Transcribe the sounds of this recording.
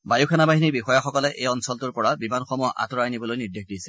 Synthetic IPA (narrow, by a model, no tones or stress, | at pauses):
bajukʰanabaɦiniɹbixɔjaxɔkɔlɛʔejɔnsɔltʊɹpɔɹabimanxɔmɔjɔʔa̰tɔɹajnibɔlojniɹdexʰdisɛ̥